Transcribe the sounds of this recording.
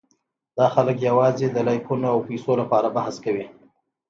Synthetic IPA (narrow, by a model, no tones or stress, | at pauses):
d̪ɑxaləkjawɑzed̪əlɑjkunoawpesolapɑɾabahaskawi